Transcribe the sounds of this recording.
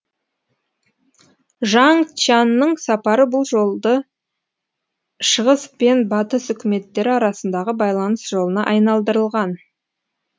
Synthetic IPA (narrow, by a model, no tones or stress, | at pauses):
ʒɑŋt͡ʃɑnːəɴsɑpɑɾəbʊlˠʒo̞lˠd̪ə | ʃəʁəspenbɑt̪əsʏkʲɪme̞t̪ːe̞ɾɪɑɾɑsənd̪ɑʁəbɑjlˠɑnəsʒ̥o̞lˠənɑʔɑjnɑlˠd̪əɾəlˠʁɑn